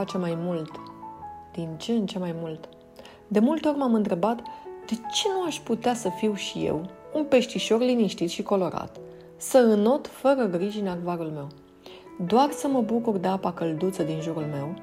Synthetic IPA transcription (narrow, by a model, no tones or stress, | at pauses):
at͡ʃemajmult̪ | d̪̥int͡ʃent͡ʃe̞majmult̪ | d̪e̞mult̪eo̞rʲmamɨnt̪ɾe̞bat̪d̪̥e̞t͡ʃe̞nuaʃʲput̪easəfiwʃije̞̰wunpe̞ʃt̪iʃo̞rliniʃt̪it̪ʃiko̞lo̞ɾa̰t̪ | səɨno̞t̪fəɾəɡɾiʒinaɡvaɾulme̞w | d̪oarsəməbukurd̪eapakəld̪ut̪səd̪inʒuɾulme̞w